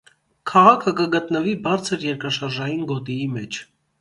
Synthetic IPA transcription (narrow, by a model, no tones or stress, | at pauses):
kʰɑʁɑkʰəkəɡət̪nəvibɑɾt͡sʰəɾjɛɾkɾɑʃɑɾʒɑjinɡɔt̪iimɛt͡ʃʰ